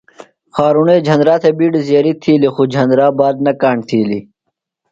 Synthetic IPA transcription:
xaːɾuneːd͡ʒʱɐnɾaːt̪ʰebiːɖzjaɾit̪ʰiːlixud͡ʑʱɐnd̪ɾaːbaːd̪̚nɐkaːɳt̪ʰiːli

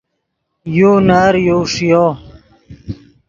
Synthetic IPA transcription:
juːnaɾjoːʂijoː

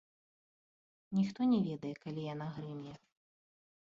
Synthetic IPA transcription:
nʲixt̪ɔnʲɛvʲɛd̪ɐjɛkalʲijanaɣɾɨmʲjɛ

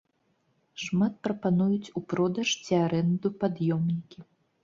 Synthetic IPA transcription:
ʂmat̪̚pɾɐpanujut͡sʲupɾɔd̪ɐʂt͡sʲiaɾɛnd̪upad̪jɔmnʲikʲi

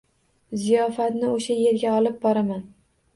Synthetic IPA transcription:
zijɒfat̪nɪoʃaje̞ɾɡʲaɒlɪp̚bɒɾaman

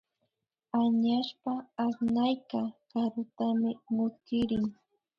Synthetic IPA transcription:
aɲaʃpaːsnajkakaɾʊt̪amɪmʊkɪɾɪŋ

